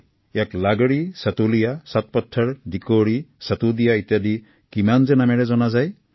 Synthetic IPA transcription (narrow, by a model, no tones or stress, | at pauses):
jaklaɡɹisatulijasat̚pɔtʰːaɹdikoɹisatudijaitjadi | kimanzɛnamɛɹɛzɔnazaj